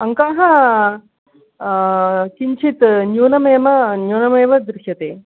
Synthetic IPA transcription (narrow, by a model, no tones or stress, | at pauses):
ɐŋkaːɦɐ | kiɲt͡ʃʰit̪njuːnɐmeːmɐnjuːnɐmeːʋɐd̪ɾɪʃjɐt̪eː